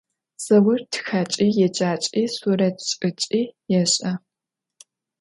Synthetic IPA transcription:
sɐwʊrtʰxaːt͡ʃʼiːjɛd͡ʒaːt͡ʃʼiːsuɾɐtʰɕʼɨt͡ʃʼiːjɛɕʼɐ

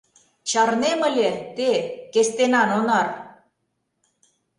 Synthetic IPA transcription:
t͡ɕɑrnemə̆lʲet̪ekest̪enɑnonɑr

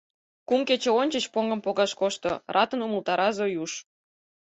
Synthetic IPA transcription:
kuŋket͡ɕeonʲt͡ɕət͡ɕpoŋɡə̆mpoɣɑʃkoʃt̪o̰rʔɑt̪ə̆numəlt̪ɑɾɑzojuʃ

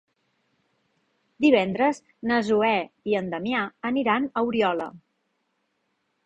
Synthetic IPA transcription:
d̪iβ̞ɛnd̪ɾəz | nəzuɛiənd̪əmiaəniɾanəwɾiɔlə̰

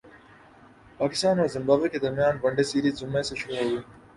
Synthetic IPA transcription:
paːkɪst̪aːnoːɾzɪmbaːbeked̪ɐɾmijaːnbɐɳɖesiːɾizzʊmːeseʃʊɾuɦoʋiː

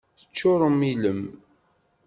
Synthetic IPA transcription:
θə̥t͡ʃːʊɾˤəmːiləm

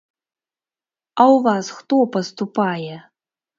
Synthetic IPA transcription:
awvasxt̪opɐst̪upajɛ

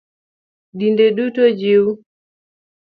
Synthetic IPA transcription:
dindeɗutod͡ʒiu

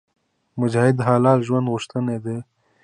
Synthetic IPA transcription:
mʊd͡ʒaːhɪd̪ɦɑːlɑːt̪ʒwand̪ɣʊʃt̪əned̪e

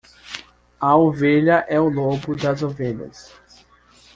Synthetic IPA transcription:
ɐoveʎɐʔɛʊlobʊd̪ɐzoveʎɐ̰s

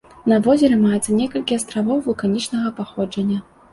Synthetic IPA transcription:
nɐvɔzʲɛɾɛmajɛt̪sːɐnʲɛkɐlʲkʲiast̪ɾavɔwvɐkanʲit͡ʂnɐɣɐpaxɔd͡ʐɐnʲːɐ

